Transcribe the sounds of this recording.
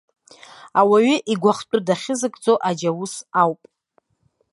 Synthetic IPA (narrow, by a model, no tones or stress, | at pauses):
awaɥʏʔiɡʷaχt͡pʼʊdaχʲɪzɨkʼd͡zoʔad͡ʒawusawpʼ